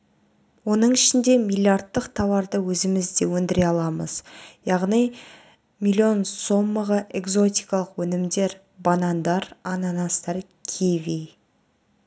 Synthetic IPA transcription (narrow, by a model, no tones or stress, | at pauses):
wo̞nəɴɪʃɪnd̪e̞mʲilʲˠijart̪ːəqt̪ʰɑwɑɾd̪əwɵzɪmɪzd̪e̞wɵnd̪ɪɾe̞ɑlˠɑməz̥jɑʁnij | mʲilʲio̞nso̞mːəʁəʔe̞ɡzo̞t̪ijkɑlˠəqwɵnɪmd̪e̞ɾ | bɑnɑnd̪ɑɾɑnɑnɑst̪ɑɾ | kʲʰevij